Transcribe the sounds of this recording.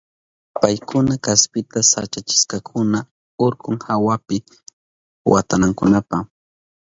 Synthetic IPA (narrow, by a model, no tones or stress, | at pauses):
pajkʊnakaspɪt̪asat͡ʃat͡ʃɪ̥skakʰʊna | oɾkʊŋhawapɪ | wa̰t̪anaŋkʊnapa